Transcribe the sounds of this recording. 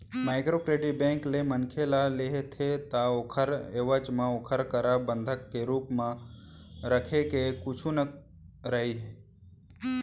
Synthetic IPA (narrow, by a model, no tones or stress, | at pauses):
maːɪkɾokɾeːɖibẽːŋklemənkʰelaleɦet̪ʰet̪aokʰəɾeːʋət͡ʃmãokʰəɾkəɾabə̃nd̪ʱəkːeɾuːpmã | ɾəkʰekekʊt͡ʃʰunə | ɾəɦiɦɛː